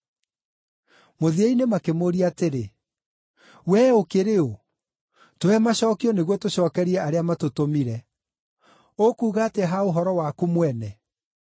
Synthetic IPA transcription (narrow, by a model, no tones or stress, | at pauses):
moðieinemakemoɾiateɾe | wɛokeɾeo | toɛmaɕɔːkiɔneɣwɔtoɕɔːkɛɾiɛaɾeamatotomiɾɛ | okuːɣaːteɦaoɦɔɾɔwakumwɛnɛ